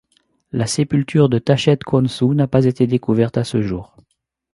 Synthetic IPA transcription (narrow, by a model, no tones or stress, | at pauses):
lasepylt̪ʰyʁd̪ət̪aʃɛt̪kʰɔ̃nsunapazet̪ed̪ekuvɛʁt̪asəʒuːʁ